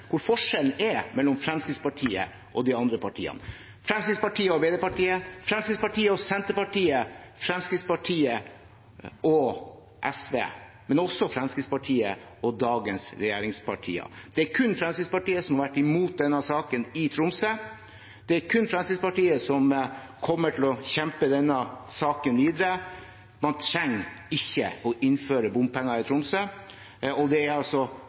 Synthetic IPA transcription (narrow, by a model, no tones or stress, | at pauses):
kʰʊɾfɔʂɛlnɛɾmɛlːɔmfɾɛmskɪt̪spɑʈʰiːə̰ | ʔɔd̪ɪɑnd̪ɾəpɑʈʰḭːɑ̰nə | fɾɛmskɾɪd̪spɑʈʰiːəɔbeːd̪ɛpɑʈiːəfɾɛmskɾɪd̪spɑʈʰiːəɔsɛnt̪əɾpɑʈiːəfɾɛmskɾɪt̪spɑʈʰiːə | ɔ | ʔɛsʋḛː | mɛnɔsːɔfɾɛmskɾɪd̪spɑʈʰiːə̰ | ɔd̪ɑːɡənsɾɛjeːɾɪŋspʰɑʈʰḭːɑ̰d̪̥ɛæɾkʰʉnfɾɛmskɪd̪spɑʈiːəsɔmhɑɾʋæʈːɪmuːt̪̚d̪ɛnːɑsɑːkənɪt̪ʰɾʊmsə | d̪̥ɛæɾkʰʉnːfɾɛmsɪspɑʈiːəsɔmkʰɔmːəʈʰɪlɔçɛmpəd̪ɛnːɑsɑːkənʋiːd̪əɾə | mɑnt̪ʰɾɛŋɪçːə̰ɔʔɪnføːɾəbʊmpɛŋːɑɾɪt̪ʰɾʊmsə | ɔd̪ɛæɾɑlsɔ